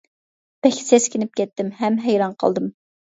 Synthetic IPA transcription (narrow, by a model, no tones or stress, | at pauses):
pɛkʲsɛskʲʰinɪp̚kʲʰɛt̪ːɪmɦɛmɦɛjɾɑnqʰə̰lˠd̪ɨm